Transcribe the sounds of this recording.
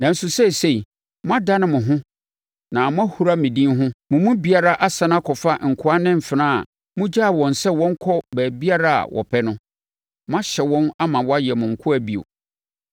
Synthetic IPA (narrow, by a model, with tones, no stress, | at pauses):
nã˨n̩˦su˨sɛ˦˨se˦i˨ | mʊ̃˦a˦da˦nɪ̃˦mʊ̃˨ɦʊ̃˦ | nã˨mʊ̃˦a˦hu˨ɾa˦mĩ˨dĩ˦nɦʊ̃˦mʊ̃˨mʊ̃˦bi˨a˦ɾa˦ʔa˦sã˦n˦ã˦kʰɔ˨fa˦ŋ̩˨kʰʊ˦a˦nɪ̃˦m̩˨fɪ˨nãː˦a̰˨ | mʊ̃˦d͡ʑa˦˨wɔ̃˨n˨sɛ˦wɔ̃˦ŋ˦kʰɔ˦bæː˨bi˦a˦ɾa˦˨a̰˨wʔɔ̰˨pʰɛ˦nʊ̃˦ | mʊ̃˦a˦ɕɛ˨wɔ̃˦na˦mã˨wɔ˦a˦jɛ˨mʊ̃˨ŋ̩˨kʰʊ˦æ˨bi˨o̰˨